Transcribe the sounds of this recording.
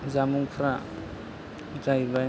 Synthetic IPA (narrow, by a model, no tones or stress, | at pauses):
zamuŋpʰɾa | d͡ʒajba